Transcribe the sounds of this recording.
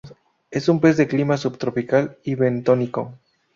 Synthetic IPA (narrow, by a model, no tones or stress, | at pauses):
e̞sumpe̞zðe̞klimasubt̪ɾo̞pikaliβe̞nt̪oniko̞